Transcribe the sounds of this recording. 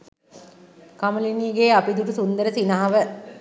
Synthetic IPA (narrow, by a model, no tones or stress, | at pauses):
kaməliniːɡeːapid̪uʈusund̪əɾəsinaɦaʋə